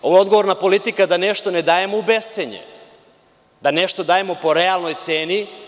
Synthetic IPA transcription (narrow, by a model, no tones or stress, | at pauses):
oʋoo̞d̪ɡoʋo̞ɾnapo̞lit̪ikad̪aneʃt̪one̞d̪aːje̞moubest̪seɲḛ | d̪ane̞ʃt̪o̞d̪aːje̞mo̞po̞ɾealˠno̞jt̪se̞ːni